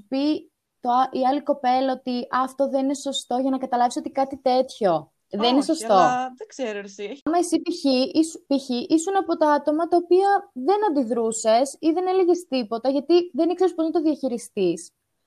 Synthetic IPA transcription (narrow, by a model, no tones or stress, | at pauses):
pi | t̪oiɐliko̞pe̞lɐo̞t̪iɐft̪o̞ðenine̞so̞st̪o̞ʝɐnɐkɐt̪ɐlɐvisot̪ikɐt̪it̪e̞t̪ço̞ | ðeninesost̪o̞seɾɐmɐisipiiispiçiʔisunɐpo̞t̪oɐt̪omɐt̪ɐopiɐðe̞nɐnd̪iðɾuse̞siðe̞neleʝest̪ipo̞t̪ɐʝɐt̪iðenikse̞ɾisponɐt̪oðiɐçiɾist̪is